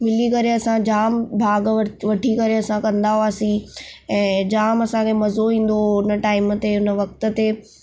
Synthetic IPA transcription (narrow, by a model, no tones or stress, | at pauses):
mɪlikɐɾeɐsãd͡ʑaːmbʱaːɡʋɐʈʰikɐɾeɐsãkɐ̃nd̪aɦoaːsĩɛ̃ːd͡ʑaːmɐsãkʰemɐzoĩːn̆d̪oʊnəʈaːɪmə̆t̪eʊnə̆ʋɐk̚t̪ə̆t̪e